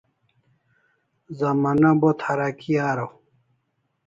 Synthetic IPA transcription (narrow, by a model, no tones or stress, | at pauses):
zɐmanabot̪ʰɐɾakiaːɾow